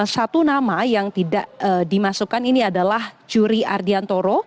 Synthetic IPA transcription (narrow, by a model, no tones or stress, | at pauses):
sat̪unamajaŋt̪idaʔədimasukaniniadalahd͡ʒuɾiardiant̪oɾo